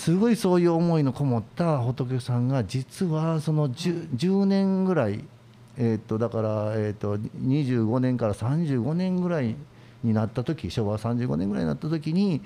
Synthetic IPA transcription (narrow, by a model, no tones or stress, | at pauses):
sɨɡo̞iso̞ːjɯ̟ːomo̞ino̞ko̞mo̞t̪ːaɦo̞t̪o̞k̬esãŋɡad͡ʑit͡sɨβaso̞no̞d͡ʑɨːd͡ʑɨːnẽ̞ŋɡɯ̟ɾaḭ | eːt̪ːo̞d̪akaɾaeːt̪ːo̞ɲ̟iʑɨːɡo̞nẽ̞ŋkaɾasãɲ̟d͡ʑɨːɡo̞nẽ̞ŋɡɯ̟ɾai | ɲ̟inat̪ːat̪o̞kʲiɕo̞ːβasãɲ̟d͡ʑɨːɡo̞nẽ̞ŋɡɯ̟ɾa̰ḭɲinat̪ːat̪o̞kʲiɲ̟i